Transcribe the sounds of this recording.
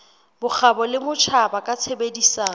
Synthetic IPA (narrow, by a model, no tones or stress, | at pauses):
bʊk͡xʰabɔlɪmʊt͡ʃʰabakʼat͡sʰebedisaː